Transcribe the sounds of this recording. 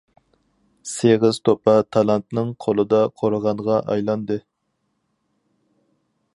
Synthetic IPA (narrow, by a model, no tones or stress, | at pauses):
seʁɪz̥t̪ʰopʰɑt̪ʰɑlˠɑnt̪nɨŋqʰolˠɨd̪ɑqʰoɾəʁɑnʁɑʔɑjlˠɑnd̪ɨ